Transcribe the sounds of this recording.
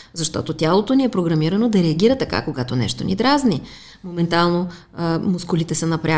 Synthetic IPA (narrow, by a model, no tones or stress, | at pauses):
zɐʃt̪ɔ̰t̪ot̪ʲjalˠot̪oniɛpɾoɡɾɐmiɾɐnod̪ɐɾɛɐɡʲiɾɐt̪ɐka̰koɡat̪onɛ̰ʃt̪onʲḭd̪ɾazni | momɛnt̪alˠno | mʊskʊlit̪ɛsɐnɐpɾʲa